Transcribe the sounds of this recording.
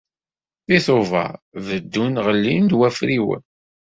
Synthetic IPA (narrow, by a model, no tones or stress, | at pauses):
θiθovɑ̰vəd̪ːunʁəlːind̪wæfɾiwə̰n